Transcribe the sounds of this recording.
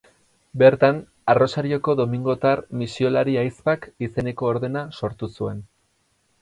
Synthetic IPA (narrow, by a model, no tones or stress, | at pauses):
be̞ɾt̪an | aro̞saɾio̞ko̞ðo̞miŋɡo̞t̪aɾmisio̞laɾiajspakise̞ne̞ko̞ːɾðe̞naso̞ɾt̪usue̞n